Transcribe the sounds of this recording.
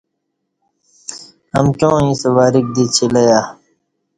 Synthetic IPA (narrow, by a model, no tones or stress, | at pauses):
ɐ̰mt͡ɕõːĩːsɐwaːɾik̚d̪iːt͡ɕʰilɐjaː